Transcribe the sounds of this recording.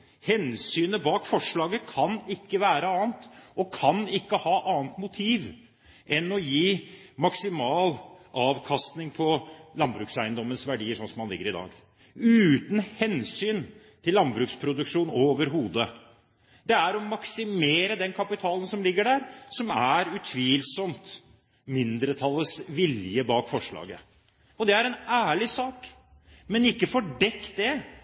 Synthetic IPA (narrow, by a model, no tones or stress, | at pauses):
hɛnsyːnəbɑːkfɔʂɭɑːɡəkʰɑnɪkːəʋæːɾəɑːnt̪ʔɔkʰɑnɪkːəhɑːʔɑːnt̪mʊt̪ʰiːʋ | ʔɛnɔjiː | mɑksɪmɑːlʔɑːʋkʰɑst̪nɪŋpʰɔlɑnbɾʉːksæɪənd̪ɔmːənsʋæɖiːəʂɔnsɔmhɑnlɪɡːəɾɪd̪ɑ̰ːɡ | ʉːt̪n̩hɛnsyːn | t̪ʰɪllːɑnbɾʉːkspʰɾʊd̪ʉkʂuːnoːʋəɾɦuːd̪ə | d̪̥ɛæɾɔmɑksɪmeːɾəd̪ɛnkʰɑpɪt̪ʰɑːlən̩sɔmlɪɡːəɖæːɾsɔmæɾʉt̪ʰʋiːlsɔmt̪ | mɪnd̪ɾət̪ʰɑlːəsʋɪljəbɑːkfɔʂɭɑ̰ːɡə | ɔd̪ɛæɾɛnæːɭɪsɑːk | mɛnɪkːəfɔɖɛkt̪̚d̪ɛ